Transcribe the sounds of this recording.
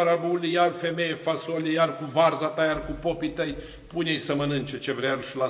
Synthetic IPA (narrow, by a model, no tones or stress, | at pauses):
ɾabulʲijarfemejefasolʲijarkuvarzat̪ajarkupopit̪əj | punʲejsəmənɨnt͡ʃet͡ʃevɾearʃila